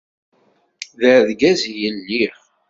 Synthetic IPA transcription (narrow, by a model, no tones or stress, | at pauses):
ðəɾðɡæzijənːi